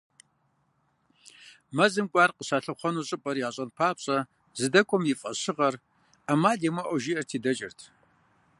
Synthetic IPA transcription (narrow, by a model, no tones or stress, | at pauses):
mɐzɨmkʷʼɑːrqəɕaːɬɐχʷɔnuːɕʼɨpʼɐrjaːɕʼɐnpʰaːpɕʼɐ | zɨdɐkʷʼɔmjɪfʼɐɕɪʁɐr | amaːdemɐʔʷɔʒiɐrtʰiːdɐt͡ʃʼɪrtʰ